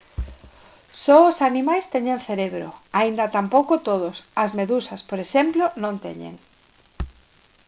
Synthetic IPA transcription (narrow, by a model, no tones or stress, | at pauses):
sɔʊsanimajst̪eɲenθeɾeβɾo̰aind̪ɐt̪ampowkot̪oðʊsɐzmeðusɐspoɾeʃemplonõnt̪ḛɲḛŋ